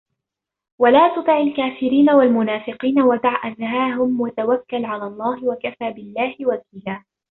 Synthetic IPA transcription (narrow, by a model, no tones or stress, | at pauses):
walaːt̪ʊb̪ʕalkaːfɪɾiːnawalmʊnaːfɪqiːnawad̪aʕʔaðhaːɦʊmwat̪awakːalʕalaːlˤːɑːhɪwakafaːbɪlːaːhɪwakiːlaː